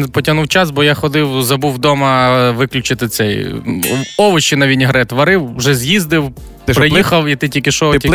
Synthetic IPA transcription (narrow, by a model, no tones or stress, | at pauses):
npɔtʲɐɦnuwt͡ʃasbɔjaxɔd̪ɪwzɐbuwd̪ɔmɐʋɪklʲʊt͡ʃɪt̪ɪt̪sɛj | ɔʋɔʃɪnɐʋʲinʲɦɾɛt̪ʋɐɾɪwːʒɛzʲjizd̪ɪw | pɾɪjixɐwit̪ɪtʲilʲkʲɪʃɔtʲ